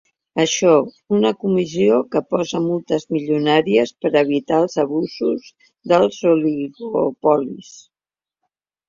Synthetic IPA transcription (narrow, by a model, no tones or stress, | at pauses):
əʃɔ | unəkumiziokəpɔzəmulˠt̪əzmiʎunaɾiəspəɾəβ̞it̪aəlˠzəβ̞uzuz | ðəlˠzuliɣopɔlis